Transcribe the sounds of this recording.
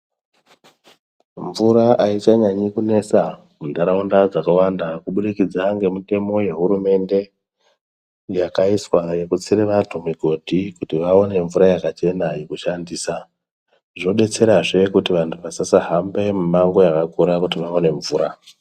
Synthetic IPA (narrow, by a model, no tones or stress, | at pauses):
ɱvuɾaʔait͡ʃaɲaɲikune̞sa | mundaɾaundad͡zakawandakuɓuɗikid͡zaŋɡe̞mite̞mo̞je̞ɦuɾume̞nde̞ | jakaiswaje̞kut͡siɾeʋatʰumiɡʱo̞dʱikutiʋao̞ne̞ɱvuɾajakat͡ʃe̞najekuʃandiːsa | ʐo̞ɗe̞t͡se̞ɾaʐe̞kutiʋantʰuʋasasaɦambe̞mumaŋɡo̞jakakuɾakutiʋaone̞ɱvuːɾa